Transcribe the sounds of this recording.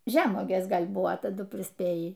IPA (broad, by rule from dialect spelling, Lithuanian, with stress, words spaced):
ˈʒʲæːmuɔɡʲeːs ˈɡɐlʲ ˈbʊʋoː tɐˈdʊ pʲrʲɪsʲˈpʲeːjiː